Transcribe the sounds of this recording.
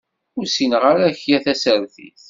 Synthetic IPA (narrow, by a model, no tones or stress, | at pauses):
ʊɾsinʁaɾæçjæθæsəɾθḭθ